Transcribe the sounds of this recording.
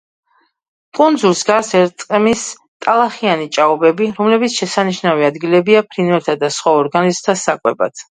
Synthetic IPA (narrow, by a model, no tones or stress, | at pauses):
kʼund̪zulˠsɡasɛɾt̪ʼqʼmis | t̪ʼalˠaχianit͡ʃʼaɔbɛbiɾɔmlɛbit̪sʰʃɛsaniʃnaviad̪ɡilɛbiapʰɾinvɛɾt̪ʰad̪asχwaɔɾɡanizmt̪ʰasakʼwɛba̰t̪ʰ